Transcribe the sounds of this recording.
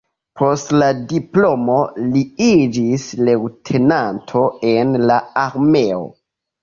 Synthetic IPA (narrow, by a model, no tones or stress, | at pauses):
pʰo̞stladiplo̞mo̞liid͡ʒisle̞wtʰe̞nantʰo̞e̞nlaaɾmeo̰